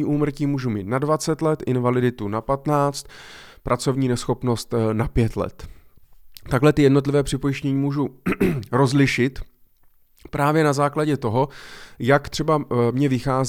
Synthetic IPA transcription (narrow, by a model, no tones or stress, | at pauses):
iːʔuːmr̩ciːmuːʒumiːt̪nadvat͡sɛt̪lɛt̪ʔɪnvalɪdɪt̪unapat̪naːt͡st̪pɾʔat͡so̞vɲiːnɛsxo̞pno̞st̪napjɛt̪lɛ̰t̪ | t̪aɡlɛt̪ɪjɛdnot̪lɪvɛːpr̥ɪpo̞jɪʃcɲɛɲiːmuːʒuɾo̞zlɪʃɪt̪ | pɾaːvjɛnazaːklaɟɛt̪o̞ɦo̞jakt̪r̝̥ɛbamɲɛvɪxaːz